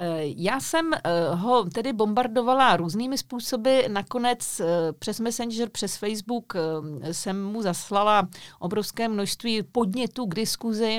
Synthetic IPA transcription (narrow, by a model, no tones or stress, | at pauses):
jaːsɛmɦo̞t̪ɛdɪbo̞mbaɾdo̞valaɾuːzniːmɪspuːso̞bɪnako̞nɛt͡spr̝̥ɛsmɛsɛnʒɛrpr̝̥ɛsfɛjzbuksɛmːuzaslalaʔo̞bɾofskɛːmnoʃst̪viːpo̞dɲɛt̪uːɡdɪskuzɪ